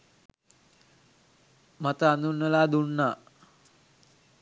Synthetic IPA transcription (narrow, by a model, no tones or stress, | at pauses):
mat̪əand̪unːəlaːd̪unːaː